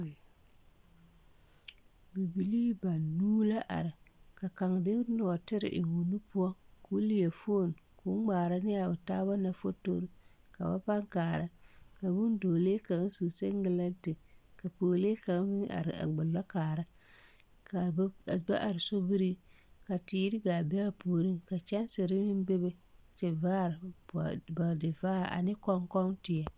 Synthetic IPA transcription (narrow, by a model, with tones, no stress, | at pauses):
bi˨bi˨li˦ba˨nːuː˦la˦ʔa̰˨ɾɪ˨ka˨ka˨ŋ˨dɪ˦nɔ˨a˨tɪ˦ɾɪ̰˨ʔɪ̰˨ŋu˨nu˦pʊ˦a˦ku˦li˦ja˨fo˦˨n˨ku˦ɡ͡baː˨ɾa˦nɪ˦ja˨bʊ˨taː˦βa˦na˨fo˦to̰˦ɾi˦ | ka̰˨ba̰˦pa˦ŋkaː˨ɾa˦ka˨bu˦n˦doː˨le˦ka˨ŋ˦su˨se˦ŋ˦ɡɪ˦la˦n˦tɪ˨ka˨poː˨le˦ka˨ŋ˦bi˦a̰˨ɾ̰a̰˨ɡ͡bʊ˨lːa˦kaː˨ɾa˦ | ka˨˦˨ba̰˦ʔa˨ɾɪ˨so˦bi˦ɾi˦ka˨tiː˨˦ɾɪ˦ɡa˨bɛ˦a˦poː˨ɾi˦ŋka˨t͡ʃɛ˦n˦sɪ˨ɾɪ˦mɪ˦n˦be˦be˦t͡ʃɛ˨vaː˦˨ɾ | ba˨dɪ˨vaː˦˨a̰˨nɪ˦kɔ˦ŋkɔ˦ŋtɪ˨a˨